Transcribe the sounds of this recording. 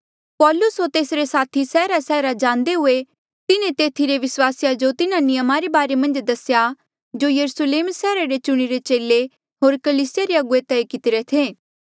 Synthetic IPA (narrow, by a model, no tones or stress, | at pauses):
pɔːlʊsɦoːɾt̪eːsɾesaːt̪ʰisɛːɾasɛːɾad͡ʒãːnd̪eɦʊe | t̪ɪnẽt̪eːt̪ʰiɾeʋɪswaːsjad͡ʒot̪ɪnãnɪjəmaɾebaːɾemɐ̃nd͡ʒd̪ɐsja | d͡ʒoːjɐɾʊsleːmsɛːɾaɾet͡ʃʊɽ̃iɾet͡ʃeːlːe | ɦoːɾkɐliːsɪjaɾeɐɡʊet̪ɛekɪt̪ɪɾet̪ʰeː